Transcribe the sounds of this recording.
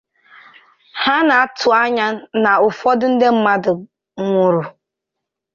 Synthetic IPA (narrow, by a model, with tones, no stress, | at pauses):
ha˦na˨a˦tʰʊ˨a˦ɲa˦na˨ʊ˨fɔ˦dʊ˦n̩˦de˦m̩˦ma˦dʊ˨ | ŋʷʊ˨ɾu˨